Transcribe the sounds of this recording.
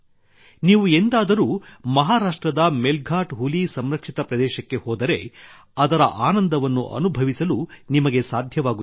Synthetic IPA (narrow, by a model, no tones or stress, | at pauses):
niːʋuend̪aːd̪ɐɾuːmɐɦaːɾaːʂʈɾɐd̪ɐmelɡʱaːʈɦulisɐmɾɐkʂit̪ɐpɾɐd̪ɛːʃɐkːe̞hoːd̪ɐɾe̞ | ɐd̪ɐɾɐ̰ʔaːnɐnd̪ɐʋɐnːṵʔɐ̰nubʱɐʋisɐlunimɐɡe̞saːd̪ʱjɐʋaːɡu